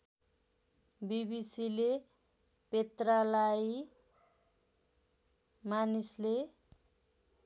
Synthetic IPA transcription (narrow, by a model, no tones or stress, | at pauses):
bibisile | pet̪ralaj | manisle